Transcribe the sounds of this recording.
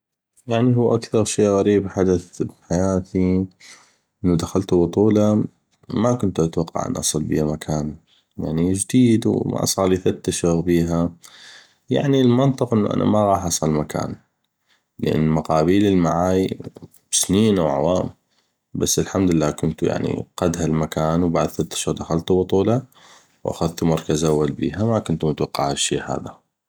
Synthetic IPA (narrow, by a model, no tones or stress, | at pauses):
jaʕniɦuːʔakθɑɾˤʃiːɣaɾiːbħad̪aθbħajaːt̪i | ʔɪnːud̪axalt̪uwʊt̪ˤuːlɑ | makʊnt̪ʔat̪wɑqːɑ̰ʕʔa̰nʔɑ̰sˤɨlbḭamakʰaːn | ja̰ʕnid͡ʒd̪iːd̪wma̰ʔɑ̰sˤɑːɾˤliːθat̪ːaʃaɣbiːɦa | ja̰ʕnilmɪnt̪ˤɨqʔɪnːuʔa̰nʔa̰maɣɑːħʔɑsˤɑlmakʰa̰ːn | ləʔɪ̰nːmaqɑːbiːləlmaʕaːji | b̥sniːnʔawʕa̰waːm | basːəlħamd̪ɪlːaːkʊnt̪uja̰ʕnḭqad̪ɦalmakaːnwbaʕd̪θat̪ːḁʃʊːɣd̪axalt̪ubɨt̪ˤuːlɑ | wʔa̰xaðt̪umɑɾˤkazʔawːalbḭːɦamakʊnt̪mʊt̪wɑqːɑʕaʃːiːha̰ːða